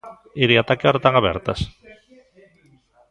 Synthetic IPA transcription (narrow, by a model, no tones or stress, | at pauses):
eɾeat̪akeɔɾat̪aŋaβɛ̰ɾt̪ɐ̰s